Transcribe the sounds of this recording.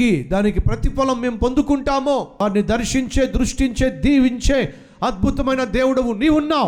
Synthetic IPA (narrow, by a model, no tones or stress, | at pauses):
id̪aːnikipɾɐt̪ipɐlɐmːe̞ːmpond̪ukuɳʈaːmoːaːɾnid̪ɐɾʂiɲt͡ʃe̞ːd̪ɾuʂʈiɲt͡ʃe̞ːd̪iːʋiɲt͡ʃeː | ɐd̪̚bʱut̪ɐmɐjnɐd̪eːwuɽɐʋuniːʋunːaː